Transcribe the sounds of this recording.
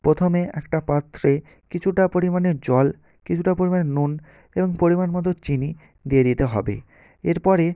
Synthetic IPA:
pɾot̪ʰomeʔɛkʈapat̪ʰːɾe | kit͡ɕʰuʈapoɾimaneɾd͡ʑɔl | kit͡ɕʰuʈapoɾimaneɾnun | eboŋpoɾimanmɔt̪̬ot͡ɕini | d̪ied̪it̪eɦɔ̰bḛ | eɾpɔɾe

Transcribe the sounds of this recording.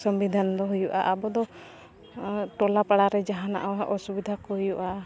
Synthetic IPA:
sɔmbid̪ʱanɔd̪ɔɦujɔʔa̰ʔabɔd̪ɔ | ʈɔlapaɽaɾɛd͡ʒaɦana̰ʔɔwaʔɔsubid̪ʱakɔjuʔa

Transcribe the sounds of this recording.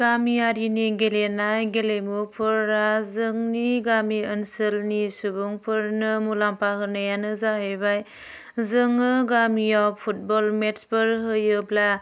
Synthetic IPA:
ɡamijaɾiniɡelenajɡelejmupʰɯɾːazɯŋniɡamiənsɯlnisubuŋpʰɯɾnɯmulampaɦɯnajanɯzaɦɯjbaj | zɯŋːɯɡamijawpʰut̚bɔlmetsbɯɾɦɯjɯbla

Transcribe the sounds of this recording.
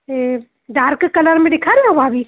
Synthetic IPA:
e | ɖaɾkkələɾmeɖekʰaɾejãbabi

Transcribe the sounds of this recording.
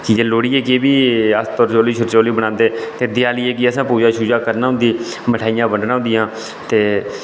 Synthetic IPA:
kid͡ʒeːloːɽiːeːkeːbiːəst̪ɔɾt͡ʃoːliːʃʰʊɾt͡ʃoːliːbəɽãːnd̪eːt̪eːd̪ɪjaːlieːkiəsãːpuːd͡ʒaːʃuːd͡ʒaːkəɾnaːɦʊ̃nd̪iː | məʈʰaːijãːbəɳɖnaːɦʊ̃nd̪ɪjãː | t̪eː

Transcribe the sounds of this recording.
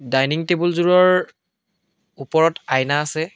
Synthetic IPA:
dajniŋtebulzuɹɔɹ | upɔɹɔtajnaːsɛ

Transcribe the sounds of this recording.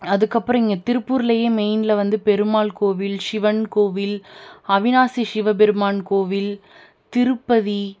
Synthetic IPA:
ɐðɯkːɐpːɯɾɐ̃mɪŋɡɐt̪ɪɾɯpːuːɾɪlɐjeːmɛɪnlɐʋɐnd̪ɯpɛɾɯmaːlkoːʋɪlʃɪʋɐnkoːʋɪlɐʋɪnaːsiʃɪʋɐbɛɾɯmaːnkoːʋɪl | t̪ɪɾɯpːɐði

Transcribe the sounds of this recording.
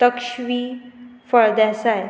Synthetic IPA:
t̪əkʃʋiːfəɭd̪ɛsaj

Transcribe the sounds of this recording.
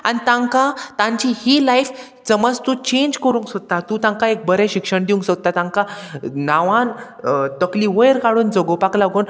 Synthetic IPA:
anit̪ãŋkat̪ãɲt͡ɕihilajf | d͡zəməd͡zt̪ũt͡ɕẽɲd͡ʑkəɾũːŋksot̪at̪ũt̪ãŋkaek̚bəɾɛ̃ɕikʂəɳd̪iũŋksot̪at̪ãŋkanaʋãn | t̪əkliʋəjɾkaɽuːnd͡zɔɡopaklaɡuːn

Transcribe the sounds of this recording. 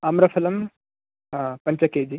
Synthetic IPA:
ɐmɾɐfʰɐlɐm | ɦãːpɐɲt͡ʃɐkeːd͡ʑi

